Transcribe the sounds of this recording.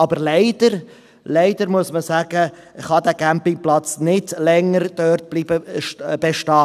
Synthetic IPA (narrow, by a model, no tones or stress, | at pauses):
ɑbəɾleɪd̥əɾ | leɪdəɾmuəsməsæːɡ̥ə | χɑdæːɡæmpɪŋplɑt͡snɪdlɛŋːəɾd̥œrt̚b̥liːb̥əb̥eʃtɑː